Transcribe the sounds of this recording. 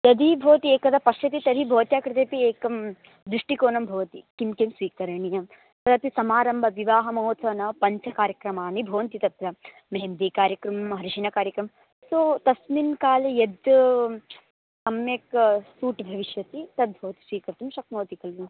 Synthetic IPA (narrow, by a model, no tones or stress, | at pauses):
jɐd̪ibʱoːt̪ieːkɐd̪ɐpɐʃɐt̪it̪ɐɾibʱɐːɐt̪jaːkɾit̪eːpieːkɐm | d̪ɾuʂʈikoːnɐmbʱɐʋɐt̪ikimkemsʋiːkɐɾɐɳijɐ | t̪ɐd̪ɐpisɐmaːɾɐmbʱɐʋiʋaːɦɐmɐɦoːt̪sʋɐnɐpɐɲt͡ʃʰɐkaːɾjɐkɾɐmaːnibʱɐʋɐnt̪it̪ɐt̪ɾɐ | mɐɦemd̪eːkaːɾjɐkɾɐmɐmɦɐɾiʃinɐkaːɾjɐkɾɐm | sot̪ɐsminkaːlejɐd̪ | ɐmjeksuːʈbʱɐʋiʃjɐt̪it̪ɐd̪̚bʱɐːɐt̪i̥sʋiːkɐɾt̪umʃɐkmɐːt̪ikɐlʋu